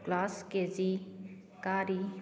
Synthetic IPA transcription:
klaːskeːzi | kaːɾi

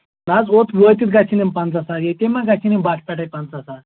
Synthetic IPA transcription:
nad͡zot̪ʰʋəjt̪iːt̪̚ɡat͡ɕʰinempãnt͡sasaɡet̪emãɡat͡ɕʰinembakʰpaʈʰaj̚pãnt͡sasa

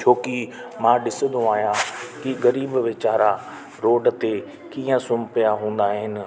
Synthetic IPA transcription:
t͡ʃʰoːkimãɗɪsə̃nd̪ũaːɦijãkiɣɐɾiːbʋɪt͡ɕaːɾã | ɾoːɖt̪e | kiːə̃sʊmpijaɦũːn̆d̪aːɦɪnɪ̆

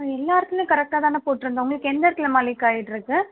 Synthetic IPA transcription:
ɛlːaːɾt̪ːɐmẽkɐɾɛk̚ʈaːt̪aːnɐpoːʈːɯɾɯnd̪ɐʊŋɡɐɭɯkːɛnd̪ɐɾt̪ːɪlɐmaːlɾikːaːʈiʈːɪɾɯkːɯ

